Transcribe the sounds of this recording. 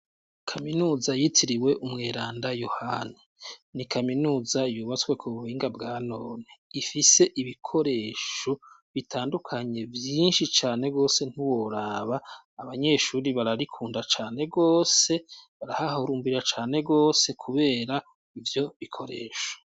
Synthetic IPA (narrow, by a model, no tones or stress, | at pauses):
kʰaminuːzajitʰiɾiwe̞ʔumŋeːɾaːndajohani | nikʰaminuːzajuːβat͡skwe̞kʰuβuhiːŋɡabɡaːno̞ːneifise̞ʔiβikʰo̞ɾe̞ːʃo | βitʰaːndukʰaɲe̞vjiːnʃit͡ʃaːne̞ɡo̞ːse̞n̥uwo̞ɾaːβaː | βaɲe̞ʃuːɾiβaɾaɾikʰuːndat͡ʃaːne̞ɡo̞ːse̞βaɾahahoɾuːmbiɾat͡ʃaːne̞ɡo̞ːse̞kʰuβe̞ːɾa | ivjo̞βikʰo̞ɾe̞̰ːʃo̥